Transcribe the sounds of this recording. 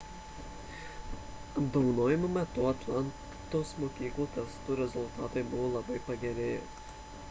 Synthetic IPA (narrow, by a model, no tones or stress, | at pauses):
ɐbd̪oʋʊnoːjɪmomʲɛt̪ʊɐt̪lˠɑn | t̪oːsmoːkʲiːklˠuːt̪ʲɛst̪uːɾʲɛzʊlˠt̪ɑːt̪ɐɪbʊʋoːlˠɐbɐɪpɐɡʲɛɾʲeːjɪ